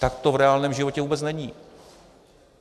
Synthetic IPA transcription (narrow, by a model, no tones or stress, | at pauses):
t̪akt̪ovɾɛaːlnɛːmʒɪvo̞cɛvuːbɛt͡snɛɲiː